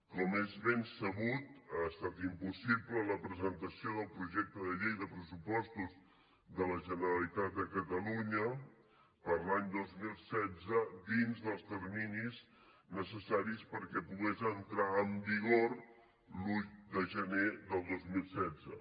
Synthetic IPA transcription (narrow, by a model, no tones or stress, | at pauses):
kɔmezβensəβut̪ast̪at̪impusiplələpɾəzənt̪əsioðəlˠpɾuʒɛk̚t̪əðəʎejðəpɾəsupɔst̪uz | ðələʒənəɾəlit̪at̪̚d̪əkət̪əluɲə | pəɾlaɲd̪ozmilˠsɛdd͡zəd̪inzðəlˠst̪əɾminiz | nəsəsaɾispəɾkɛpuɣezənt̪ɾaəmbiɣor | luʎd̪əʒəneðəlˠd̪ozmilˠsɛd͡zə